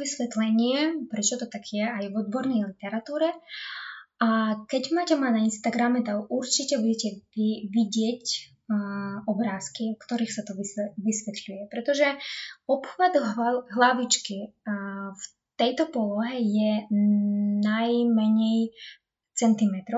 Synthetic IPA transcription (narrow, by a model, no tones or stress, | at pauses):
ʋisʋɛt̪lɛɲɪɛpɾɛt͡ʃɔt̪ɔt̪aɡjɛajvɔd̪̚bɔɾnɛjlit̪ɛɾat̪uːɾɛ | akɛɟmaːcɛmanainst̪aɡɾamɛt̪aʔuɾt͡ʃicɛbuɟɛcɛiʋiɟɪɛc | ɔbɾaːskiɔkt̪ɔɾiːxsat̪ɔʋiɛʋisʋɛt̪ʎujɛpɾɛt̪ɔʒɛɔpxʋad̪ɦɦlaʋit͡ʃki | f | t̪ɛjt̪ɔpɔlɔɦɛjɛ | najmɛɲɛj | t͡sɛnt̪imɛt̪ɾɔ